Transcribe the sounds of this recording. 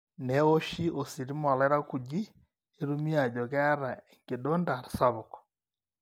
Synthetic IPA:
neoʃiʔosiɾimaleɾakuɟiː | ɾumiaɟokaɾaeŋɡidondaɾisaβokɔ̥

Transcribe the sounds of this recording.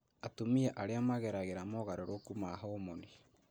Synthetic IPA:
atomiaʔaɾeamaɣɛɾaɣeɾamɔɣaɾoɾʔokumaɦɔomoni

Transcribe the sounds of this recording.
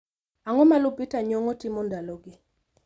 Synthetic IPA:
aŋɔmalʊbitaɲɔŋɔtɪmɔndaloɡɪ

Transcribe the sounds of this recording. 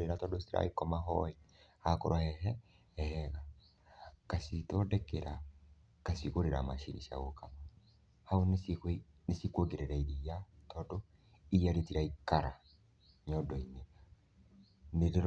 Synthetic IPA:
ɾeɾatɔdosiɾa̰ikɔmaɦɔihakɔɾɔhɛɦɛ | ɛhɛɣa | kasitɔdɛkeɾa | kasikoɾeɾamaʃḭɾḭʃa̰ɣokama | haon | nesikwoɡeɾeɾaiɾijatɔdɔ | ijaɾetiɾaikaɾa | ɲɔdɔine | neɾeɾ

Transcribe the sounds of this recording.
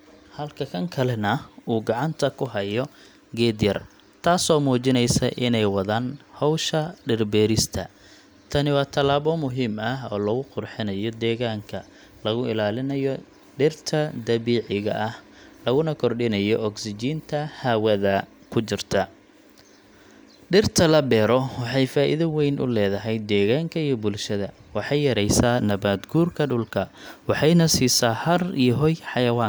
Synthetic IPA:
hɐlkʰɐkʰɐŋkʰɐlɛnɐuːɡɑʕɑnt̪ʰɐkʰʊɦɐjɔ | ɡɛːd̪jɐr | t̪ʰaːsɔːmuːt͡ʃɪnɛjsɐʔɪnɛjwɑðaːnhɔwʃɐɖɪrbɛːɾɪst̪ʰɐ̰ | t̪ʰɐnɪwɑːt̪ʰɐlaːβɔmʊɦiːmɐɦɔ̰ːlɐɣʊqʊrħɪnɐjɔd̪ɛːɣaːŋkʰɐ | lɐɣʊʔɪ̰laːlɪnɐjɔ | ɖɪrt̪ʰɐd̪ɐβiːʕɪɣɐ̰ʔɐh | lɐɣʊnɐkʰɔrɖɪnɐjɔʔːɡsɪt͡ʃiːnt̪ʰɐhaːwɐðɐ | kʰʊt͡ʃɪrt̪ʰɐ | ɖɪrt̪ʰɐlɐbɛːɾɔwɑħɑjfaːʔɪ̰ðɐwɛjnʔʊ̰lɛːðɐɦɛjd̪ɛːɣaːŋkʰɐijɔbʊlʃɐðɐwɑħɑjːɐɾɛjsaːnɐβaːd̪ɡuːrkʰɐɖʊlkʰɐwɑħɑjnɐsiːsaːhɐrḭjɔɦɔjħɑjɐwɑːŋ

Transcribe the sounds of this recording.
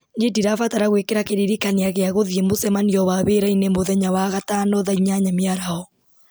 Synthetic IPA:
nediɾafataɾaɣwekeɾakeɾiɾikaneaɣeaɣoðiemosɛmaniɔwaβeɾainemoðɛɲawaɣatanɔðaiɲaɲamjaɾaɔ

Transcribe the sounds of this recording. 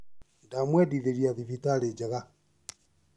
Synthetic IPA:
ndamwɛdiðeɾiaðivitaɾed͡ʒaɣa

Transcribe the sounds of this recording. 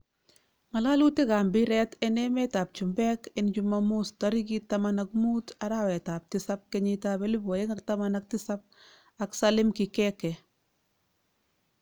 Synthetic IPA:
ŋalaluteɡambiɾɛtɛnɛmetab̚t͡ʃumbɛkɛnɟumːamustaɾiɡitamanakmutaɾawetab̚tisab̚keɲitabelubojeŋak̚tamanak̚tisab̚ | aksalɪmkikɛkɛ

